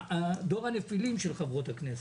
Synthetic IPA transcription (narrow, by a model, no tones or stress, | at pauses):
ad̪o̞ʁanefilimʃelχavʁot̪haknes